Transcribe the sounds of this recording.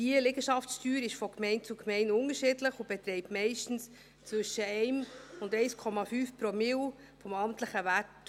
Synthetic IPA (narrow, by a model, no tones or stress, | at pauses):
iəleɡəʃɑfstyːɾɪʃfɔkmɛɪnt͡sukmɛɪnʊŋəʃɪdləχʊb̥etɾɛɪpmɛɪʃtn̩s | t͡sʋʏʃəɛɪmʊndɛɪskʰɔmɑfyːfpɾɔmɪl | fɔmɑmtləχəvæt